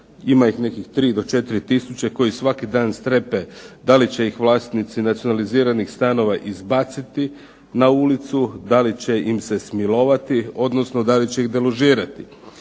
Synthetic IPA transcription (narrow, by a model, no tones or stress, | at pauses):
imaixne̞kixt̪ɾiːd̪o̞t͡ʃe̞t̪iɾit̪isut͡ɕe̞ko̞jisʋakid̪aːnst̪ɾe̞pe̞d̪alit͡ɕe̞ixʋlˠaːst̪nit̪sinat̪sijo̞naliziːɾanixst̪ano̞ʋaʔizbat̪sit̪i | naulit̪sud̪alit͡ɕe̞imse̞smilo̞ʋat̪io̞d̪no̞sno̞d̪alit͡ɕe̞ixd̪eloʒiːɾat̪i